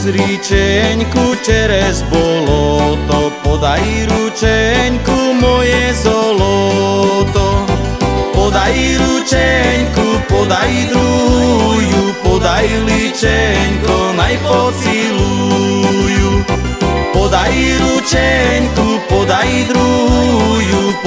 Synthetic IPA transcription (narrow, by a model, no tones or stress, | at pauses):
zɾit͡ʃɛɲkut͡ʃɛɾɛzbɔlɔt̪ɔpɔd̪ajiɾut͡ʃɛɲkumɔjɛzɔlɔ | t̪ɔ | pɔd̪ajiɾut͡ʃɛɲkupɔd̪ajid̪ɾuɦujupɔd̪ajilit͡ʃɛɲkɔnajpɔsilu | ju | pɔd̪ajiɾut͡ʃɛɲkupɔd̪ajid̪ɾu | ju